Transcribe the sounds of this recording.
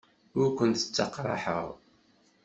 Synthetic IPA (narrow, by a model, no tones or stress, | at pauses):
ʊɾkʷːənt̪ə̥t͡sːɑqːɾˤɑ̰ħə̰ʁ